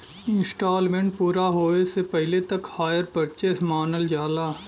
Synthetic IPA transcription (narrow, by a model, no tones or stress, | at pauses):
ɪ̃nsʈaːlmẽɳʈpuːɾaɦoːesepɛɦɪlet̪ɐkhaːjəɾpɐɽt͡ʃeːmaːnəld͡ʒaːlaː